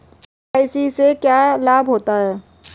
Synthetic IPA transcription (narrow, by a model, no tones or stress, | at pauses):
ajsisekjalabʱɦot̪aɦɛ